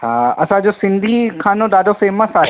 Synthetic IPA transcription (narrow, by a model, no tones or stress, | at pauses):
hãːɐsãd͡ʑoːsɪ̃nd̪ʱikʰaːnõɗaːɖofeːmːãsaː